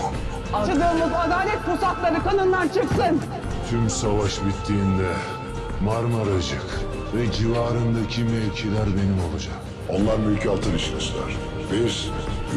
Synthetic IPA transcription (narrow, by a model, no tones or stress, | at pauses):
at͡ʃʰɯd̪ɯmuzad̪aːlʲɛt̪̚kusaklˠaɾɯkanɯnd̪ant͡ʃʰɯksɯn | t̪ʰymsavaʃbit̪ʰːiːnd̪ɛ | maɾmaɾad͡ʒak | vɛd͡ʒivaːɾɯnd̪acʰimɛlʲcʰilʲæɾbe̞nimolˠad͡ʒak | o̞nlˠaɾmylʲcʰalˠt̪ʰɯɾiʃlʲɛslʲæ̰ɾ̥ | biɾ